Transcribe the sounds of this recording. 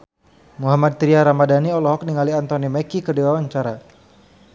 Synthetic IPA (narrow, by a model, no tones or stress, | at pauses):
muɦamad̪̚t̪ɾiaɾamadaniɔlɔɦɔk̚niŋaliant̪ɔnimɛkikərdiwawaɲt͡ʃaɾa